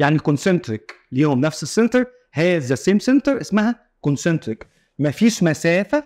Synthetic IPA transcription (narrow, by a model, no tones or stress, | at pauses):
jaʕnikonsent̪ɾɪkljihomnæfsesːent̪eɾˤ | hæːzæseːmsent̪eɾʔesmæhæ | konsent̪ɾɪk | mæfiːʃmæsæːfæ